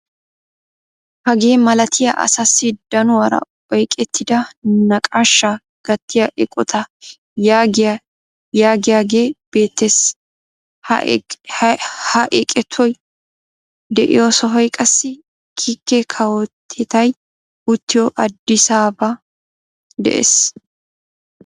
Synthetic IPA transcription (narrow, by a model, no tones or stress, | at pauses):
hɐɡe̞ːmɐlɐt̪ʰɪjɐʔɐ̰sɐsːɪd̪̥ɐnʊwɐɾɐ̰ | ɔjkʼɛt̪ʰːɪd̪ɐnɐkʼaʃːɐ | ɡ̥ɐt̪ːɪjɐʔɛkʼɔt̪ʰɐ | jaɡ | jaːɡɪjaːɡeːb̥e̞ːt̪ːes | h | hɐʔɛkʼɛt̪ʰːɔj | d̪ɛʔɪ̰joːsɔɦɔjkʼɐsːɪ | kʰikːɛkʰɐwɔt̪ʰːɪt̪ɐj | ʊt̪ːɪjɔʔɐd̪ːɪsaːbɐ | d̪ɛ̰ʔḛːs